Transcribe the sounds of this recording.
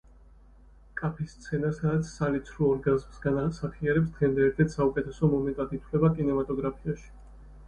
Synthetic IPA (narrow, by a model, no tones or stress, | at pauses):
kʼapʰist̪sʰɛnasad̪at̪sʰsalit̪sʰɾuɔɾɡazmsɡanasaχiaɾɛpsd̪̥ʁɛmd̪ɛɾt̪ʰɛt̪ʰsaukʼɛt̪ʰɛsɔmɔmɛnt̪ʼad̪it̪ʰwlɛbakʼinɛmat̪ʼɔɡɾapʰiaʃi̥